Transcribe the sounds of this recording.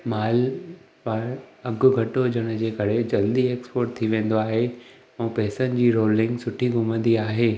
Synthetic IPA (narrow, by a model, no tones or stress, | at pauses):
maːl | ʋaɾɐɡʊ̆ɡʱɐʈod͡ʑʱɐɽ̃ʊ̆d͡ʑeːkɐɾed͡ʑɐld̪ieːkspoːɾʈ̚t̪ʰiʋẽːn̆d̪oaːɦe | ɛ̃ːpɛːsənɪ̆d͡ʑiːɾoːlɪ̃ŋɡsʊʈʰiɡʱʊmə̃nd̪iaːɦeː